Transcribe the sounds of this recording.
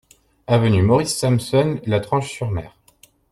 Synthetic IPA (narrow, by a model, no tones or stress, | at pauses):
avənymɔʁisːamsɔnlat̪χɑ̃ʃsyʁmɛ̰ːʁ